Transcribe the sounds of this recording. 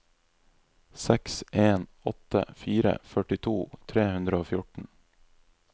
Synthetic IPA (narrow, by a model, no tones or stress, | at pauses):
sɛksʔeːnɔt̪ə̰fiːɾə̰fœʈɪt̪ʰuːt̪ʰɾeːhʉnd̪ɾəoːfjʊʈɳ̩